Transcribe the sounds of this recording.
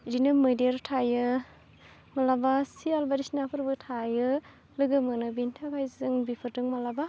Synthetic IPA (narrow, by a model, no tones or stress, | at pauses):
dinɯmɯdiaɾtʰajɯ | malabasialbaɾisinapʰɯɾbɯtʰajɯ | lɯɡɯmɯnɯbintʰakʰajzɯŋbipʰɯɾtɯŋmalaba